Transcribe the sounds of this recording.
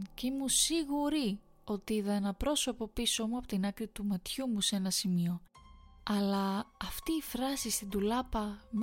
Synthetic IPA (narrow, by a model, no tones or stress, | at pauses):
cimusiɣuɾi | o̞t̪iiðɐenɐpɾo̞so̞po̞piso̞muɐpot̪inɐkɾit̪umɐt̪çumuse̞nɐsimio̞ | ɐlɐːft̪iːfɾɐsist̪ind̪ulɐpɐm